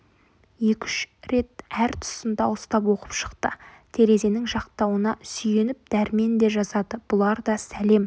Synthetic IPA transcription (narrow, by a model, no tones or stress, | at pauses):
je̞kʲʏʃɾe̞t̪̚æɾt̪ʰʊ̥sənd̪ɑʊst̪ɑp̬wo̞qəpʃə̥qt̪ə | t̪ʰe̞ɾe̞ze̞nɪŋʒɑqt̪ɑwənɑsʏje̞nɪp̚d̪̥æɾme̞nd̪e̞ʒɑzɑd̪əb̥ʊlˠɑɾd̪ɑsæle̞m